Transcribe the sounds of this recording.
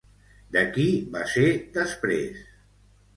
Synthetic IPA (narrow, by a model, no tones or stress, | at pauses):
d̪əkiβa̰sed̪əspɾḛs